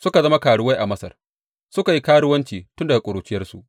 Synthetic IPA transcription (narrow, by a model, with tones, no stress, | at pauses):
sʊ˦ka˨zɐ˦ma˦kaː˨ɽʊ˦wa˦jʔa˨mɐ˦sɐ̰˨r | sʊ˦ka˨ji˦kaː˦ɽʊ˦wɐ˦nt͡ʃiː˨tʊ˦nda˨a˨kʷʼʊ˨ɾuː˨t͡ʃɪ˦jɐ˦rsu˨ʔ